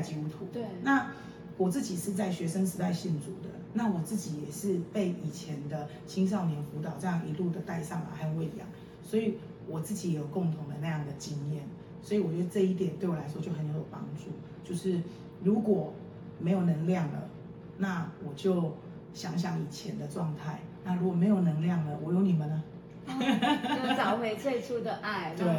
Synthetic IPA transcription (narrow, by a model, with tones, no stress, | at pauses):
t͡ɕi˧˥t̪u˦˥t̪ʰu˨˥˦na˥˩ | wɔ˨˩t͡sɹ̩˥˩t͡ɕi˨˩ʂɻ̩˥˧t͡sa˥˩ɪɕɥɛ˧˥ʂə˥ŋʂ̬ɻ̩˧˥t̪a˥˧ɪɕi˥˧˩nt͡su˨˥˦d̪ə̰˨na˥˨wɔ˨˩t͡sɹ̩˥˩t͡ɕi˨˥jɛ˨˩ʂɻ̩˥˧pe˥˩ɪʔi˨˩t͡ɕʰjɛ˧˦nd̪ə˧ | ɕi˥ŋʂ̬ɑ˥˨˩ʊnjɛ˧˥nfu˧˥t̪ɑ˨˩ʊʈ͡ʂə˥˧jɑ˥˩ŋʔḭ˧˥lu˥˩d̪ə˩t̪a˥˧ɪʂɑ˥˩ŋla̰˨˩xa˥˧we˥ɪ˧jɑ̰˨˩˦ŋ | swɔ˧˥i˨˩ | wɔ˨˩t͡sɹ̩˥˩t͡ɕi˨˦jɛ˨˧˩jo˨˩kʊ˥˩ŋt̪ʰʊ˧˥ŋd̪ə˨na˥˧jɑ˥˩ŋd̪ə˩t͡ɕi˥˧njɛ˥˨n | swɔ˧˥i˨˩wɔ˨t͡ɕɥɛ˦˥ə˧˩ʈ͡ʂɤ˥˧i˥˩t̪jɛ˨˩nt̪we˥˩ɪwɔ˨˩la˧˦ɪʂwɔ˥t͡ɕjo˥˩ʊxə˧˦njo˧ʊjo˨˩ʊpɑ̰˥ŋʈ͡ʂu˥˩ | t͡ɕjo˥˧ʊʂɻ̩˥˩ | ɻu˨˥kwɔ˨˩ | me˧˥ɪjo˨˩ʊnə˧˥ŋljɑ˥˨˩ŋlə̰˩ | na˥˩wɔ˨˩t͡ɕjo˥˨ʊ | ɕjɑ˧˥ŋɕ̬jɑ˧˥ŋi˨˩t͡ɕʰjɛ˧˦nd̪ə˧ʈ͡ʂwɑ˥˧ŋt̪ʰa˥˩ɪna˥˩ɻu˧˥kwɔ˨˩me˧˥ɪjo˨˩ʊnə˧˥ŋljɑ˥˩ŋlə˩wʔɔ˧˥jo˧˥ʊni˨˩mə˨nːə˦ | o˥˨ɑ˨˩ʊxwe˧˥ɪt͡swe˥˧ɪʈ͡ʂʰu˦˥d̪ə˨ʔa˥˩ɪt̪we˥˩